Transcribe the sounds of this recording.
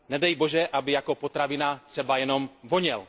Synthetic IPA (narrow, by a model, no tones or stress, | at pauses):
nɛdɛjboʒɛʔabɪjakopot̪ɾavɪnat̪r̥ɛbajɛnomvoɲɛl